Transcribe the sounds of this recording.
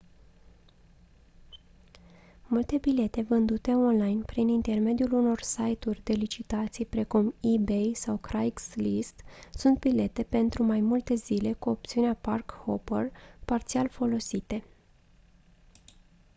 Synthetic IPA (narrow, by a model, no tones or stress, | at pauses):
mult̪e̞bile̞t̪e̞vɨnd̪ut̪e̞o̞nlajnpɾinint̪e̞rme̞d̪juluno̞rsajt̪urʲd̪e̞lit͡ʃit̪at̪sijpɾe̞kumibejsawkɾajkslist̪sunt̪̚bile̞t̪e̞pe̞nt̪ɾumajmult̪e̞zile̞kuop̚t̪siuneaparkhoperpart̪sialfo̞lo̞sit̪e̞